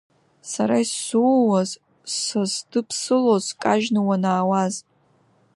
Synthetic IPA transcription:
saɾaisːuwaz | sazdɨpʰsɨlozkʼaʒnɨwanaːwaz

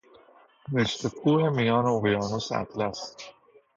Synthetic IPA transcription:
neʃt̪ʰekʰuːhemijɑːneoɣjɑːnusæ̰t̪læs

